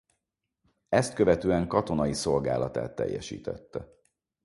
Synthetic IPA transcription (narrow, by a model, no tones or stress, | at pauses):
ɛst̪̚kø̞vɛt̪øːɛŋkɒt̪o̞nɒjiso̞lɡaːlɒt̪a̰ːt̪ːɛ̰jːɛʃḭːt̪ɛt̪ːɛ